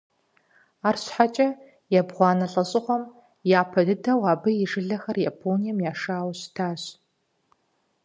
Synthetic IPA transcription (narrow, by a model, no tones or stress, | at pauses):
aːrɕħat͡ʃʼɐ | jɛbʁʷɑːnɐɬʼɐɕʼɪʁʷɔm | jaːpʰɐdɨdʰɐwɑːbɨjɪʐɨɮɐxɐrjapʰoːnijɐmjaːʂaːwɕtʰaːɕ